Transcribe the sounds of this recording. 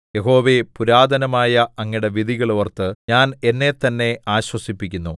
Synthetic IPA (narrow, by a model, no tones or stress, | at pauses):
je̞ɦo̞ːʋe̞puɾaːd̪ʱɐnɐmaːjɐɐŋːiɽe̞ʋid̪ʱiɣɐɭoʋɐrt̪ːɨɲaːne̞nːe̞t̪ɐnːe̞aːɕwɐsipːikʲːunːu